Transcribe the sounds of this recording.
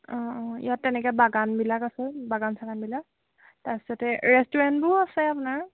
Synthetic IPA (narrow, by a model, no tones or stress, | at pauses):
ɔ̃ḭjatːɛnɛkɛbaɡanbilakasɛbaɡansakanbilak̚ | taɹbisɔtɛɹɛstɔɹɛntbʊasɛapʊnaɹ